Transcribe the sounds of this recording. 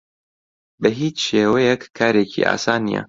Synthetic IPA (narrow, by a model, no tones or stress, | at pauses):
bɐɦiːt͡ʃʃeːwɛjɛkʰːaːɾeːcʰḭːʔa̰ːsaːnḭjɛ̰